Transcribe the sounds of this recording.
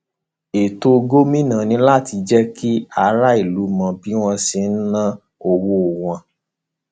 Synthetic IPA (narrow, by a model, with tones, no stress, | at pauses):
e˨to˧ɡo˦mĩ˦nã˨nĩ˧˦la˦˨ti˧d͡ʒɛ˦ki˦a˧ɾa˦i˦˨lu˨˦mã˧bi˦w̃ɔ̃˧si˧n̩˦nã˦ | o˨wo˧˨w̃ɔ̃˧